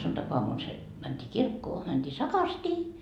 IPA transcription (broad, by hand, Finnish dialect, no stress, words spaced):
suntɑkoɑmun se mæntʲiː kirkːoː mænd̥iː sɑkɑrstiː